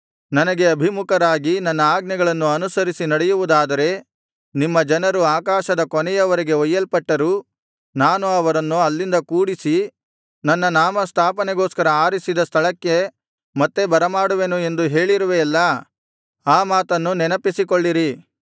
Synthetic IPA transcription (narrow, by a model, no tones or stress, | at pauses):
nɐnɐɡe̞ɐbʱimukɐɾaːɡinɐnːɐaːɡnɛɡɐɭɐnːuɐnusɐɾisinɐɽɛjuʋud̪aːd̪ɐɾe̞ | nimːɐd͡ʒɐnɐɾuaːkaːʃɐd̪ɐkɔnɛjɐʋɐɾeɡe̞ɔjːɐlpɐʈːɐɾuː | naːnuɐʋɐɾɐnːuɐlːind̪ɐkuːɽisi | nɐnːɐnaːmɐst̪ʰaːpɐnɛɡoːskɐɾɐaːɾisid̪ɐst̪ʰɐɭɐkːe̞ | mɐt̪ːe̞bɐɾɐmaːɽuʋe̞ːnue̞nd̪uɦe̞ːɭiɾuʋeːlːɐ | aːmaːt̪ɐnːunɛnɐpisikoɭːiɾi